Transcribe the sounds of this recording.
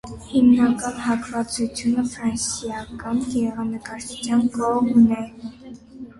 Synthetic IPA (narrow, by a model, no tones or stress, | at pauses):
himnɑkɑnhɑkvɑt͡sut͡sʰjunəfɾɑnsjɑkɑnɡɛɾɛʁɑnəkɑɾt͡ʃʰut͡sʰjɑnkɔʁmnɛ